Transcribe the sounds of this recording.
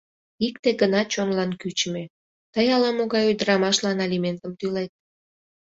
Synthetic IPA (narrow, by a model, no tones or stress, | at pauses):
ikt̪eɡənɑt͡ɕonlɑnkyt͡ɕəme | t̪əjɑlɑmoɣɑjujd̪əɾɑmɑʃlɑnɑlʲiment̪əmt̪ylet̪̚